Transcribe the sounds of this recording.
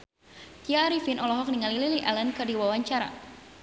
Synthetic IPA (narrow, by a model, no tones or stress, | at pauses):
t̪iaɾifinʔɔlɔɦɔk̚niŋalililiʔɛlənkɨrdiwawaɲt͡ʃaɾa̰